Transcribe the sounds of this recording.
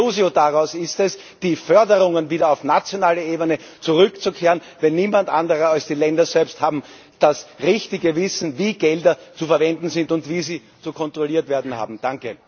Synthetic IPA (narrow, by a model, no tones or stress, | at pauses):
uːziodaʁaʊsɪstɛs | d̥iːfœɐdəʁʊŋənviːdɐaʊfnat͡sjonaːləeːbənə | t͡suʁʏkt͡sukʰeːʁən | vɛnːiːmandʔã̰ndəʁəalsd̥iːlɛndɐzɛlpsthaːbm̩ | d̥asʁɪçtɪɡəvɪsn̩viːɡ̥ɛldɐt͡sufɛɐvɛndn̩zɪntʊntv̥iːziː | t͡sukʰɔntʁ̥oliːɐtv̥eːɐdn̩ha̰ːbm̩d̥aŋkə